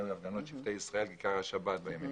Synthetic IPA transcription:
imlavɡanot̪ʃivt̪ejisʁae̞lɡikaʁhaʃabat̪̚bajami

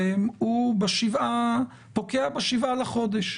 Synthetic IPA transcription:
emubeʃiva | po̞keabeʃivalaχo̞d̪eʃ

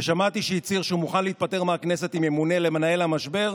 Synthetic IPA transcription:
eʃamat̪iʃeit͡siʁʃeumuχanleit̪̚pate̞ʁmeakne̞se̞t̪imjemune̞le̞manae̞lhamaʃbe̞ʁ

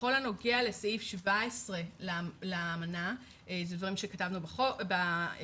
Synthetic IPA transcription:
olano̞ɡeale̞sifʃivaesʁe̞leleaːmana | zedvaʁimʃekatavnubχobe

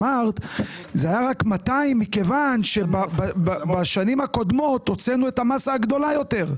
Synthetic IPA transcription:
aʁt̪zeajaʁakmataimːike̞vanʃe̞bababaʃanimhako̞d̪mo̞t̪ot͡senue̞tamasaːɡd̪o̞lajo̞t̪e̞ʁ

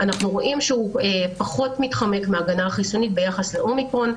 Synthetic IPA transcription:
ʔanaχnuʁo̞ʔimʃeuepaχo̞tmitχame̞kmeaɡanaχiso̞nit̚be̞jaχasle̞ʔo̞mikʁo̞n

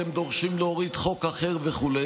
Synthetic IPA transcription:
emd̪o̞ʁʃimleoʁid̪χo̞kaχeʁveχule

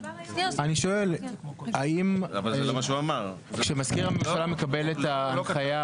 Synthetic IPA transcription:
aniʃo̞elaimavalomaʃuamaʁ | kʃemaskiʁamenuʃalame̞kabe̞let̪aːnaja

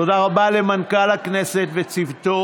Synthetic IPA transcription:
odaʁabale̞mankalakne̞set̪vet͡sivt̪o

